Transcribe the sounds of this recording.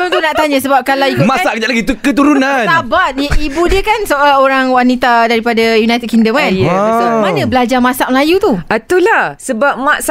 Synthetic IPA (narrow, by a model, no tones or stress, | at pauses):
at̪unaʔt̪aɲãsəbap̚kalawikumasaʔkəd͡ʒaʔlaɡit̪ukət̪uɾunanabat̪̚əibudiəkansəolaoɾaŋwanit̪adaɾipadajunajt̪ɛd̚kiŋdəmkansomanə̃bəlad͡ʒarmãsaʔ̚məlajut̪uʔat̪ulasəbap̚masa